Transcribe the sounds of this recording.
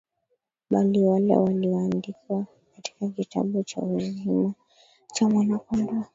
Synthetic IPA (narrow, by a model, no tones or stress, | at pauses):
ɓaliwalɛ̰waliaːndikiwa | kati̥kakita̰ɓut͡ʃa̰uzima | t͡ʃamwanakɔnda